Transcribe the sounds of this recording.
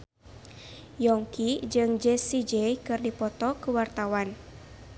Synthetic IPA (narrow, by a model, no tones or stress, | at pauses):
jɔŋkid͡ʒɨŋd͡ʒɛsid͡ʒɛjkɨrdipɔt̪ɔkuwart̪awan